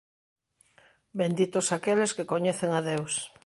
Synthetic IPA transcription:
bend̪it̪osakeleskekoɲeθeŋaðews

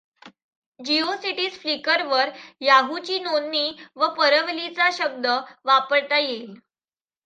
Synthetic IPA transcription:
d͡ʑiosiʈiːsflikəɾʋəɾjaɦut͡ɕiːnonːiːʋəpəɾəʋlit͡saɕəb̚d̪əʋapəɾt̪ajel

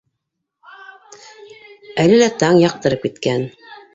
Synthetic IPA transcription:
ælɘlæt̪ɑŋjɑq̚t̪ɤ̆ɾɤp̚kit̪kæn

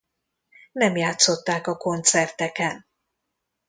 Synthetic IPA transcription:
nɛmjaːt̪so̞t̪ːaːkɒko̞nt̪sɛrt̪ɛkɛn

